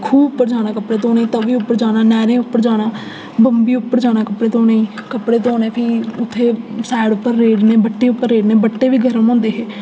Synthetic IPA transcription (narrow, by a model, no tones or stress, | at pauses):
kʰuːbʊpːəɾd͡ʒaːnaːkəpɽeːt̪õːnĩːt̪oːʋiːʊpːəɾd͡ʒaːnaːnɛːɾẽːʊpːəɾd͡ʒaːnaː | bəmbiːʊpːəɾd͡ʒaːnaːkəpɽeːt̪õːnəĩːkəpɽeːt̪̬õːneːpʰɪiːʊt̪ʰːeːsɛːɽʊpːəɾːeːɖneːbəʈːeːʊpːəɾːeːɖneːbəʈːeːʋiːɡʱəɾəmɔ̃ːnd̪eːɦeː